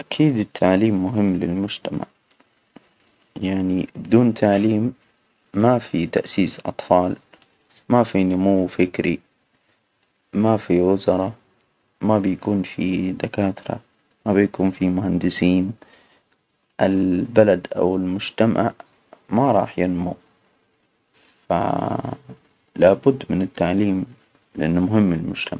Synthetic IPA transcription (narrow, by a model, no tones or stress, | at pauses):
ʔakʰiːd̪ɪt̪ʰːaʕliːmːʊɦɪmːlɪlmʊd͡ʒt̪ama̰ʕ | jaʕnibɪd̪uːnt̪ʰaʕliːmː | afit̪aʔsiːsʔɑ̰t̪ˤfɑːl | mafinʊmuwːfɪkɾḭ | mafiwʊzɑɾˤɑ | mabjakuːnfid̪akaːt̪ɾa̰ | mabɪjakuːnfimʊhand̪ɪsiːn | ʔalbalad̪ʔa̰wɪlmʊd͡ʒt̪ama̰ | maɾˤɑ̰ːħjɪnmu | fa̰ | laːbʊd̪ːmɪnɪt̪ːaʕliːm | lɪʔɪnːmʊɦɪmːɪlmʊd͡ʒt̪ʰamaʕ